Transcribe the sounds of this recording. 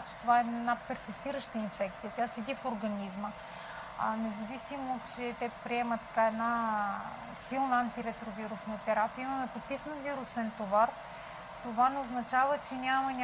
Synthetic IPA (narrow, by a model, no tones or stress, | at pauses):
t͡ʃɛ̥t̪ovaɛnapɛɾsist̪iɾəʃt̪əinfɛkt̪sijət̪jasɛd̪ifoɾɡɐnizmə | nɛzɐvisimot͡ʃɛt̪ɛpɾiɛmət̪ːɐ̥kaɛd̪na | silˠnəant̪iɾɛt̪ɾoviɾusnət̪ɛɾapiəimɐmɛpot̪isnəviɾusɛnt̪ovaɾ | t̪ovanɛoznɐt͡ʃavət͡ʃɛnʲamɐnʲ